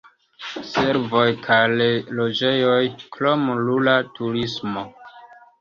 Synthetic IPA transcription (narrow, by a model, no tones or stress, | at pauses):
se̞ɾvo̞jkʰajlelo̞d͡ʒe̞jo̞jklo̞mlulatʰuɾismo̞